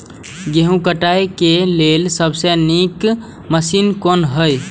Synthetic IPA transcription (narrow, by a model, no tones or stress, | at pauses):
ɡeɦũkəʈaekeleːlsəbsenik | məsinkɔːnɦəj